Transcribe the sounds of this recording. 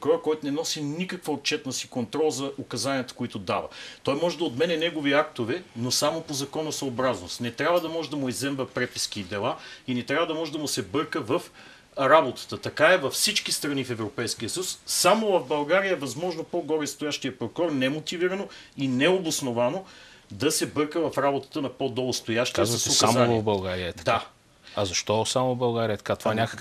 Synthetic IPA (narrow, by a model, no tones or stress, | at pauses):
kɾɔɾkɔjt̪ʊnɛnɔsinikəkvɐot̪̚t͡ʃɛt̪nɐsi̥kont̪ɾɔlˠzɐokɐzaniət̪ə̥koit̪ʊd̪a̰vɐ̰t̪ɔjmɔʒɛd̪ɐot̪mɛnɛnɛɡoviak̚t̪ovɛnosamopozɐkɔnɐsɐobɾazno̰st̪nɛt̪ɾʲavəd̪ɐmɔʒɛd̪ɐmʊizɛmvɐpɾɛpi̥skid̪ɛlˠainɛt̪ɾʲavəd̪ɐmɔʒɛd̪ɐmʊsɛbɤɾkəvɐf | ɾabot̪ə̥t̪ət̪ɐkaɛvɐfsit͡ʃkist̪ɾɐnifɛvɾopɛjskiəsəjussamovɐvbɐlˠɡaɾijəɛvɐzmɔʒnopɔɡɔɾɛst̪ʊjaʃt̪ijəpɾokɔɾnɛmot̪iviɾɐnoinɛobosnovanod̪ɐsɛbɤɾkəvɐfɾabot̪ə̥t̪ənɐpod̪ɔlˠost̪ojaʃt̪aɐsosamnvvbɐlˠɡaɾiətd̪ɐd̪a | ɐzɐʃt̪ɔsamovbɐlˠɡaɾiət̪ɐ̥kat̪ovanʲakə̥k